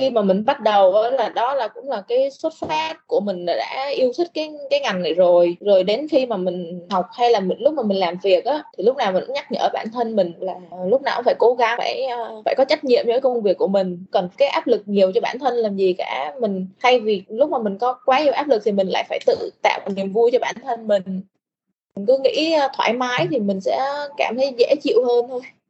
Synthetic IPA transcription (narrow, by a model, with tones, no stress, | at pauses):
xi˧maː˨˩mï˨˩ŋ̟ɓa˦˥t̚ɗə˨˩wvə̰˧˨˦laː˨˩ɗɔ˨˦laː˨˩kʊ̰˧˥ŋ͡mlaː˨˩kaː˨˦jswə˦˥t̚faː˦˥t̚ku˧˩əmï˨˩ŋ̟la̰ː˨˩ɗa̰ː˧˥ʔi˧əwt̪ʰi˦˥k̟̚kaː˨˦jkaː˨˦jŋa˨˩ŋna˨˩jzo˨˩jzo˨˩jɗe˨˦nxi˧maː˨˩mï˨˩ŋ̟ha˨˩wk͡p̚ha˧jlaː˨˩mi˨˩ŋlʊ˦˥k͡p̚maː˨˩mï˨˩ŋ̟laː˨˩mvi˨˩ək̚ʔaː˨˦t̪ʰi˨˩lʊ˦˥k͡p̚naː˨˩wma̰˨˩˧ɲa˦˥k̚ɲɨ̰˨˧˩ʔəː˧˩ɓa̰ː˧˩nt̪ʰə˧nmï˨˩ŋ̟laː˨˩lʊ˦˥k͡p̚na̰ː˨˩˧faː˧˩jko˧˦ɣa˨˦ŋfa̰ː˧˩jːfa̰ː˧˩jkɔ˨˦t͡ɕa˦˥k̟̚ɲḭ˧˨əmjɨ̰˧˥˨kə˧wŋ͡mvi˨˩əkːu˧˩əmï˨˩ŋ̟kə˨˩nkaː˨˦jʔaː˦˥p̚lɨ˨˩k̚ɲi˨˩əwt͡ɕɔ˧ɓaː˧˩nt̪ʰə˧nlaː˨˩mzi˨˩ka̰ː˧˩mï˨˩ŋ̟t̪ʰa˧jvi˨˩lʊ˦˥k͡p̚maː˨˩mï˨˩ŋ̟kɔ˨˦kwaː˨˦ɲi˨˩əwʔaː˦˥p̚lɨ˨˩k̚t̪ʰi˨˩mï̟˨˩la̰ː˧˨jfaː˧˩jt̪ɨ̰˧˨t̪a̰ː˧˨wʔa˨˩ni˨˩əmvu˧jt͡ɕɔ˧ɓaː˧˩nt̪ʰə˧nmï˨˩ŋ̟ | mï˨˩ŋ̟kɨ˨˦ŋḭ˧˥˧t̪ʰwa̰ː˧˩jmaː˨˦jt̪ʰi˨˩mï˨˩ŋ̟sɛ̰˧˥kaː˧˩mt̪ʰə˨˦jzɛ̰˧˥t͡ɕḭ˧˨əwhəː˧nt̪ʰo˧j